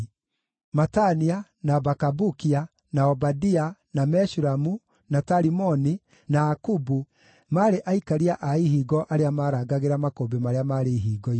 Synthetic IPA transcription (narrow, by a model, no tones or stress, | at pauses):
matania | nabakabukia | naɔbadianamɛʃuɾamu | nataɾimɔni | naakubu | maːɾeʔaikaɾiaʔaiɦiːɡɔʔaɾeamaːɾaːɡaɣeɾamakoːbemaɾeamaɾeiɦiːɡɔi